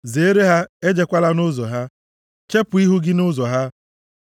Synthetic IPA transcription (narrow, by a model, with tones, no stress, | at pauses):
ze˨˦ɾe˦ɦa˦e˦d͡ʒe˨kʷa˦la˦nʊ˦zɔ˨ɦa˦ | t͡ʃe˦pʊ˨i˦ɦu˦ɡɪ˦nʊ˦zɔ˨ɦa˦